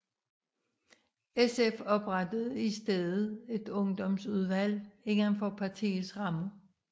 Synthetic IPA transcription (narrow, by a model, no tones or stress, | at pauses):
esefɒ̽b̥ʁɑd̥əð̩ˠisd̥eðˠð̩ˠe̝d̥ɔ̽ŋd̥ɒ̽msuð̞ˠʋæl̰e̝ŋɐnfɒpʰɑ̈t͡sʰḭːsʁɑ̈mə